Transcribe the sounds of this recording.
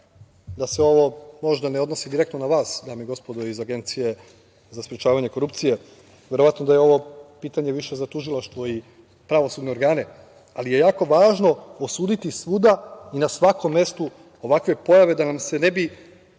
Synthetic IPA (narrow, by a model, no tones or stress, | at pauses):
d̪aseo̞ʋo̞mo̞ʒd̪aneod̪nosid̪iɾe̞k̚t̪nonaʋaːsd̪aːmieɡo̞spo̞d̪oizaɡe̞nt̪sije̞ | zaspɾjet͡ʃaːʋaɲe̞ko̞ɾup̚t̪sije̞ | ʋje̞ɾo̞ʋat̪nod̪ajeo̞ʋo̞piːt̪aɲe̞ʋiʃe̞zat̪uʒilˠaʃt̪ʋo̞i | pɾaʋo̞suːd̪neo̞ɾɡaːne̞ | alije̞jaːko̞ʋaːʒno̞osuːd̪it̪isʋuːd̪ainasʋako̞mːe̞st̪u | o̞ʋakʋe̞po̞jaʋe̞d̪anamse̞ne̞bi